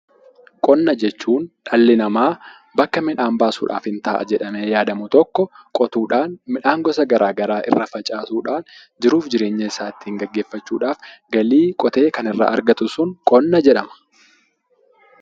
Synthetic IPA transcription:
kʼɔnːɐd͡ʒɛt͡ʃːuːnᶑɐlːɪnɐmaː | bɐkːɐmɪᶑaːmbaːsṵːᶑa̰ːfhɪnt̪aːʔɐ̰d͡ʒɛᶑɐmeːjaːd̪ɐmʊt̪ɔkːɔkʼɔt̪uːᶑaːnmɪᶑaːŋɡɔs̬ɐɡɐɾʔaːɡɐɾaːʔɪ̰rːɐfɐt͡ʃʼaːsuːᶑaːn | d͡ʒɪɾuːfd͡ʒɪɾe̞ːɲːɐɪsaːt̪ːiːŋɡɐɡːe̞ːfːɐt͡ʃːuːᶑaːfɡɐliːkʼɔt̪e̞ːkɐnɪrːa̰ːʔɐ̰ɾɡɐt̪ʊsʊŋkʼɔnːɐd͡ʒɛᶑɐmɐ̥

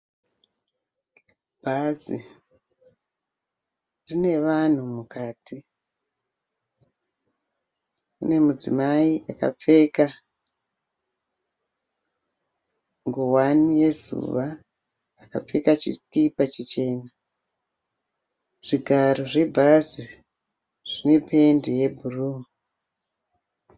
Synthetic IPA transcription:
b̥ʱazḭ | rine̞ʋan̤umukaːtʰi | ṵne̞mud͡zḭmaiʔaka̰p͡fe̞ːka | ŋɡowanije̞zṵʋaː | ka̰p͡fe̞kat͡ʃḭskipat͡ʃit͡ʃe̞ːna | ʐ̥iɡʱaɾoʐe̞bʱazi | ʐ̥ine̞pʰe̞ndije̞bʱuruːmu

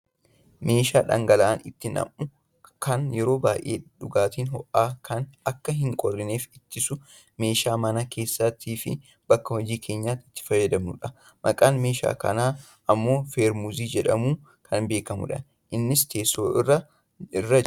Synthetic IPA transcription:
me̞ːʃaːᶑɐ̰ŋɡɐlɐʔɐnɪt̪ːɪnɐ̰mʔʊ | kʰɐnjɛɾo̞ːbaːjʔe̞ːᶑʊɡaːt̪iːnɦɔʔːaːkʰɐnɐkːɐɦɪŋkʼɔrːɪne̞ːfɪt̪ːɪsʊ | me̞ːʃaːmɐnɐke̞ːsːɐt̪ʰiːfɪ̰ | b̥ɐkːɐhɔd͡ʒiːkʰe̞ːɲːaːt̪ɪ̥t̪ːɪ̥fɐjːɐd̪ɐmnʊ̰ᶑɐ | mɐ̰kʼaːnme̞ːʃa̰ːkɐ̰naː | ʔɐmːo̞ːfeːɾmuziːd͡ʒɛᶑɐmuː | kʰɐnbe̞ːkɐmʊ̰ᶑɐ̰n | ʔɪnːɪst̪ʰe̞ːsoːɪrːɐ | ɪrːɐ

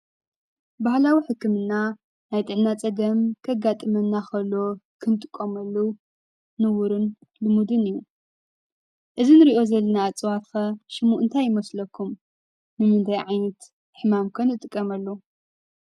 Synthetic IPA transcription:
bahlawiħɨkʰːɨmɨnːa | najt̪ʼɨʕnat͡sʼɐɡɐmkʰɐɡat̪ʼɨmɐnːaxɐlːokʰɨnt̪ʼɨkʼːomɐlːowː | ɨwuɾɨn | lɨmud̪ɨnɨjːu | ʔɨzinɨɾiʔo̞zɐlːɐnaːt͡sʼwafɐʃɨmuʔɨnt̪ʰajɪmɐslɐkʰːum | nɨmɨnd̪ʰajʕajnɐt̪ | ħɨmamkʰɐnɨt̪ʼɨkʼːɐmɐlːo

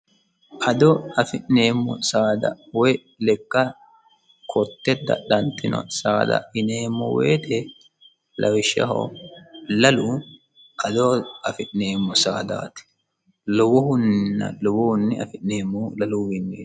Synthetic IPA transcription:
ʔɐd̪ɔɐfɪʔneːmːɔsaːd̪ɐ̰wɔj | lɛkːɐ | kʰɔt̪ːɛd̪ɐ̰ɗɐnt̪ːɪnɔ̰saːd̪ɐ̰ɪneːmːɔwḛːt̪ɛ | lʔɐwɪʃɐ̰ɦɔ̰ | lɐlu | ʔɐd̪ɔɐfɪʔneːmːɔsaːd̪a̰ːt̪ɪ̥ | lɔwɔhʊnːɪnːɐ̰lɔwɔhʊnːɪɐ̰fɪʔneːmːɔlɐluːwɪnːḛː

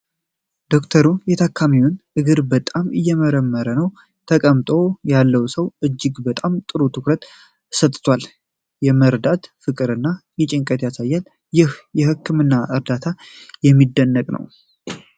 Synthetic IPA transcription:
d̪̥o̞kt̪ʰəɾujɛt̪ʰakʰːamiwʊnʔɨɡɨɾbət̪ʼamɨjːɛməɾəmːəɾənəw | t̪ʰəkʼəmt̪ʼo̞jalːəwsəwʔɨd͡ʒːɪɡbət̪ʼamt̪ʼɨɾut̪ʰɨkɾət̪ʼ | sət̪ʼt̪ʰwal | jɛməɾd̪at̪fɨkʼɨɾɨnːajɛt͡ʃʼɪŋkʼət̪jasajːal | jɪhjɛhɨkʰːɨmɨnːaʔɨɾd̪at̪ʰajɛmːid̪ːənːəkʼnə̰w

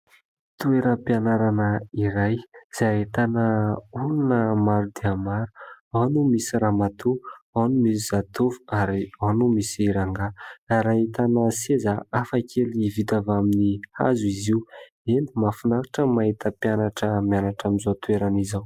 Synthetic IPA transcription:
t̪ueɾəpianaɾanəiɾajz̥aaɦet̪anəulunəmaɾud̪iamaɾu̥anumisiɾamat̪uanumisiz̥at̪uvu̥aɾianumisɾaŋɡaaɾait̪anəsezaafakʰelivit̪avaminiha̰zuiziw | enimafunaɾaʈ͡ʂəmaɦit̪əpjanaʈ͡ʂəmianaʈ͡ʂamizot̪ueɾanizaw

